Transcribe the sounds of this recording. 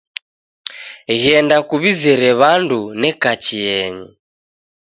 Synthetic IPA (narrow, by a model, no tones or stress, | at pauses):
ɣɛndakuβizɛɾɛβandunɛkat͡ʃiɛɲi